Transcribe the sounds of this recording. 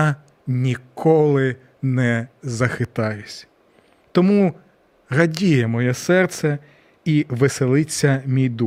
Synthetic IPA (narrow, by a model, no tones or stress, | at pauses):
nʲikʰɔlˠɪ | nɛzɐxɪt̪ɑjʊsʲ | t̪ɔmu | ɦɐdʲijɛmɔjɛsɛrt̪sɛ | iʋɪselˠɪt͡sʲːɐmʲijd̪u